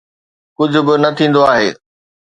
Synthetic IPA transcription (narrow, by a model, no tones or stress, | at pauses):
kʊd͡ʑʱʊ̆bɪnɐt̪ʰĩːn̆d̪oaːɦeː